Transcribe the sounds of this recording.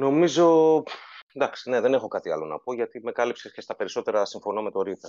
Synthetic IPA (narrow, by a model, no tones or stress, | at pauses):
no̞mizo̞ | d̪ɐksi̥ne̞ðe̞nexo̞kɐt̪iɐ̰lo̞nɐ̰po̞ʝɐt̪ime̞kɐlipsesce̞st̪ɐpe̞ɾiso̞t̪e̞ɾɐsiɱfo̞nome̞t̪o̞ɾipe